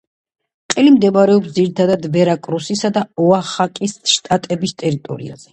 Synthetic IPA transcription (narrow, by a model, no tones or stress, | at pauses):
qʼilimd̪ɛmaɾɛɔpsd̪ziɾit̪ʰad̪ad̪bɛɾakʼɾusisad̪aɔaχakʼisʃt̪ʼat̪ʼɛbist̪ʼɛɾit̪ʼɔ̰ɾḭa̰z̥ɛ